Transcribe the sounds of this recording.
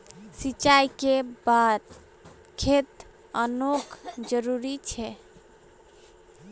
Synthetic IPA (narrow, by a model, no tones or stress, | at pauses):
sit͡ʃajkebad̪ | kʰet̪ | ənokʰd͡ʒəɾuɾit͡ʃʰɛ